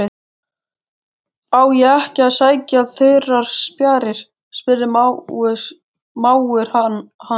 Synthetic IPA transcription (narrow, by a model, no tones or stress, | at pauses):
ɪ | aːwjɛɛhcɪaðsaːjcaðθœɥɾaɾ̥spjaːɾɪɾ̥ | spɪrɪʏ | maːwʏɾ̥ha